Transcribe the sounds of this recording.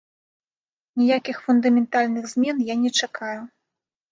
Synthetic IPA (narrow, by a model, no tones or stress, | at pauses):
nʲijakʲixfund̪ɐmʲɛnt̪alʲnɨɣzʲmʲɛnjanʲɛt͡ʂakaju